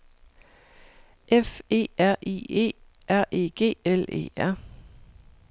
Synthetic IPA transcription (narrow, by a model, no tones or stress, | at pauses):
ʔefe̝̰ːæɐ̰ʔḭe̝̰ː | ʔæɐ̰ʔe̝̰ːɡ̥e̝̰ːele̝̰ːæɐ̰